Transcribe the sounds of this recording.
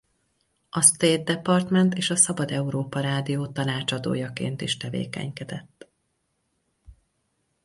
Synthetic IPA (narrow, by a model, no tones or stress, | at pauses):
ʔɒst̪eːd̪ːɛpɒrt̪mɛnt̪eːʃɒsɒbɒd̪ɛuɾoːpɒɾaːd̪ijoːt̪ɒnaːt͡ʃɒd̪o̰ːjɒkḛːnt̪iʃt̪ɛvḛːkɛ̰ɲkɛd̪ɛt̪ː